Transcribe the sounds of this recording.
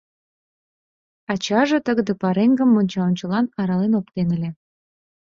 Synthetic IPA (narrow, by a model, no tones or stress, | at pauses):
ɑt͡ɕɑʒet̪əɣəd̪ĕpɑɾeŋɡə̆mːonʲt͡ɕɑonʲt͡ɕə̆lɑnɑɾɑlenop̚t̪enə̆lʲĕ